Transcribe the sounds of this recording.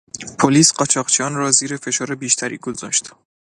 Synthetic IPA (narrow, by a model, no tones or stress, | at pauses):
pʰoliːsɢɒt͡ʃʰɒːʁt͡ʃʰiɒnrɒːziːɾe̞fe̞ʃɒːɾebiːʃt̪ʰæɾḭɡozɒ̰ːʃt̪